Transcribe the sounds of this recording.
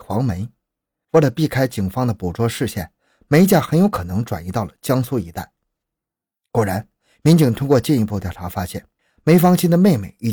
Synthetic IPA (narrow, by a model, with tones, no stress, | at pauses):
xwɑ˧˥ŋme˧˥ɪ | we˥˩lə˨˩pi˥˩kʰa˥ɪt͡ɕi˨˩ŋfɑ˥ŋd̪ə˨pu˨˩ʈ͡ʂwɔ˥ʂɻ̩˥˧ɕjɛ̰˥˩n | me˧˥ɪ˧t͡ɕja˥˩xə˧˥njo˧˥ʊkʰɤ˨˩nɤ˧˥ŋʈ͡ʂwa˨˩ni˧˥t̪ɑ˥˩ʊlə˩t͡ɕjɑ˥ŋsu˥˩i˧˥t̪a˥˩ɪ | kwɔ˨˩ɻa˧˥n | mi˧˥nt͡ɕi˨˩ŋt̪ʰʊ˥ŋkwɔ˥˧t͡ɕi˥˩˧ni˧˥pu˥˧t̪jɑ˥˩ʊʈ͡ʂʰa˧˥fa˥ɕjɛ̰˥˩n | me˧˥ɪfɑ˥ŋɕʰi˥nd̪ə˨me˥˧ɪmḛ˧˩ɪi˥˩